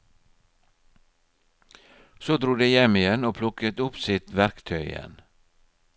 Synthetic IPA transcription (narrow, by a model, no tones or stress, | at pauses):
soːd̪ɾuːd̪eːjɛmɪjɛnoːpʰlʊkət̪ʊpsɪt̪ʋæɾkt̪ʰœʏɪ̰jɛ̰n